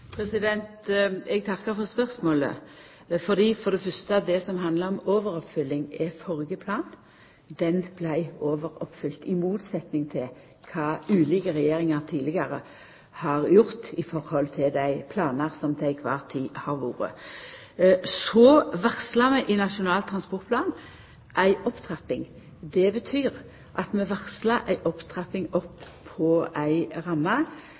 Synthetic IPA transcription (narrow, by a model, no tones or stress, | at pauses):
pʰɾɛsɪd̪ɛnt̪ɛɡ̚t̪ʰɑkːəɾfɔʁspœɾsmoːlə̰ | fɔʁd̪iːfɔʁd̪ɛfœʁst̪əɑʋd̪ɛsɔmɦɑnd̪ləɾɔmoːʋəɾɔpfʏlːɪŋɛfɔɾɡəpʰlɑːn | d̪ɛnb̥læɪoːʋəɾɔpːfʏlt̪ɪmuːt̪sɛt̪nɪŋt̪ʰɪl | kʰɑːʉːliːkəʁɛjeːɾɪŋəʁt̪ʰiːlɪɡəɾə | hɑʁjʊʁt̪ɪfɔʁhɔlt̪ʰɪld̪æɪpʰlɑːnəʁsɔmd̪ʰæɪkʰʋɑ̰ːʁt̪ʰiːhɑʁʋṵːɾə̰ | sɔʋæʁslɑmɛʔɪnɑʃʊnɑːlt̪ʰːʁɑnspɔʁt̪̚pʰlɑːn | ʔæɪʔɔpt̪ʰʁɛpːɪŋ | d̪ɛbət̪ʰyːʁ | ʔɑt̪mɛʋæʁslɑʔæɪʔɔpt̪ʰʁɛpɪŋɔpʰː | ɔʔæɪʁɑmːɑ